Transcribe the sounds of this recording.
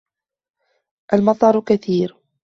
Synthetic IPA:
ʔalmɑt̪ˤɑɾˤkaθiːɾ

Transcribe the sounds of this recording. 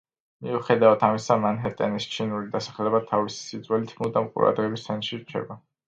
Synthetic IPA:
miuχɛd̪avat̪ʰamisamanɦɛɾt̪ʼɛnist͡ʃʰinulid̪asḁχlɛbat̪ʰavisi̥sid̪zwɛlit̪ʰmud̪amqʼṵɾa̰d̪ʁɛbist̪ʰɛnʃiɾt͡ʃʰɛ̰ba

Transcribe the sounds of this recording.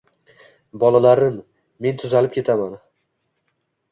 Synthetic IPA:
bɒlˠalaɾɪmː | e̞nt̪ʰʊzalɪp̚kʲʰe̞t̪ʰaman

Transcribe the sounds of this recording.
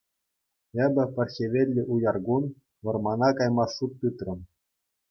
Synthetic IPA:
ebʲɘ̆pʲɘ̆rʲxʲeʋʲelʲːɘ̆ʔujɑrɡun | ʋɤ̆rmɑnɑkɑjmɑsːut̪ːɯt̪rɤ̆m

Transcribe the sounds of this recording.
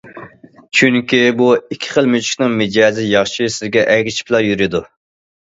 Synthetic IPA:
t͡ʃʰyŋkʲibuikʲʰːi̥χəlˠmyt͡ʃʰi̥kʲnɨŋmɪd͡ʒɛːzɪjɑχʃisɪzɡʲɛʔɛɡʲɪt͡ʃʰi̥plˠɑjyɾɪd̪u

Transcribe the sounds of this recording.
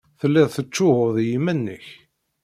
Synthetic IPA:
θəlːɪðθət͡ʃːʊhʊðˤjimænːə̰ç

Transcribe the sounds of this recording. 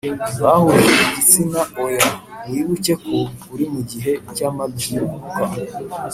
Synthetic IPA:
βahuɾeʔiɟit͡sinaojaiβucekʰoβuɾimuɟiɦecamabiuuka

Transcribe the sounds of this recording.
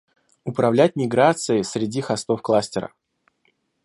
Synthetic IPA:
ʊpɾɐvlʲæt̚ʲmʲɪɡɾat̪sɨɪsɾʲɪdʲixɐst̪o̞fklˠasʲtʲɪɾə̰

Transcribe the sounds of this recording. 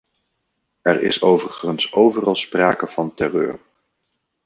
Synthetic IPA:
ɛɹɪ̰sowvərəχənsowvərɑlˠspra̰ːkəv̥ɑntɛrøːɹ

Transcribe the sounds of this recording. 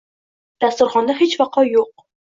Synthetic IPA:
d̪̥ast̪ʊɾχɒnd̪aɦet͡ʃvɑqʰɒjoq̚

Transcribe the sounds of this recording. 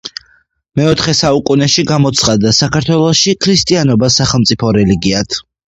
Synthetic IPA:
mɛɔt̪ʰχɛsaukʼunɛʃiɡamɔt̪sʰχad̪asakʰaɾt̪ʰwɛlˠɔʃikʰɾist̪ʼianɔbasaχɛlˠmt̪sʼipʰɔɾɛliɡiat̪ʰ

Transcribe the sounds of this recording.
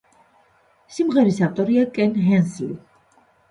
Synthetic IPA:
simʁɛɾisaft̪ʼɔɾiakʼɛnɦɛnslḭ

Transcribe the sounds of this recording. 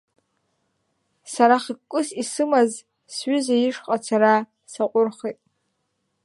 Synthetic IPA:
saɾaχikkʷːʼʊsisɨmaz | sɥʏzajiʂqʼat͡sʰaɾa | saqʷʼʊrχitʼ

